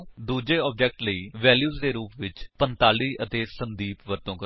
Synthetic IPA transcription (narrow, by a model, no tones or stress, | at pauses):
d̪uːd͡ʒeːɔːb̚d͡ʒɛːk̚ʈləiːʋɛːljuːzd̪eːɾuːpʋɪt͡ʃpənt̪aːliːət̪eːsənd̪iːpʋəɾt̪õːkə